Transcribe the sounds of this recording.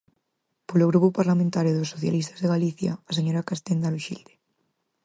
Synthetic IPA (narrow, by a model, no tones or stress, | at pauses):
poloɣɾupʊpaɾlamẽnt̪aɾjoðosːoθja̰list̪azðeɣaliθja̰ːs̬eɲoɾakast̪end̪aluʃḭld̪e̥